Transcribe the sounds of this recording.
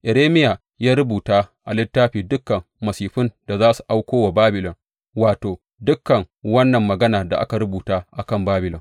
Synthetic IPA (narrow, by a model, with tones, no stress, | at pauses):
ʔɛ˨ɾeː˦mɪ˦ja˨ | jaː˦ɾʊ˦buː˨taː˦ʔa˨lɪ˦tːaː˦ɸiː˨dʊ˦kːɐ˨ŋ | mɐ˨siː˨ɸʊ˦nd̥a˨zaː˦su̥˨ʔa˦wkʷoː˦wa˨baː˦bɪ˨lɔ˨ŋ | waː˨toː˨ | dʊ˦kːɐ˨ŋ | wɐ˦nːɐ˨mːɐ˨ɡɐ˦naː˨da˨ʔa̰˦ka˨ɾʊ˦buː˨taː˦ʔa˨kɐ˦˨mbaː˦bɪ˨lɔ˨ŋ